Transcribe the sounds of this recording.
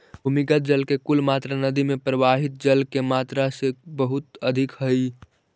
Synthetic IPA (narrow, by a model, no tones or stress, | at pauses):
bʱumiɡət̪̚d͡ʒəlkekulmat̪ɾanəd̪imepɾəʋaɦit̪̚d͡ʒəlkemat̪ɾasebəɦut̪əd̪ʱikɦəj